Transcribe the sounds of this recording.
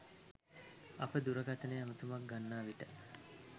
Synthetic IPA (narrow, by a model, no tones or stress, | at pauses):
ɐpəd̪uɾɐkat̪ɐneamut̪umak̚ɡanːaːʋiʈə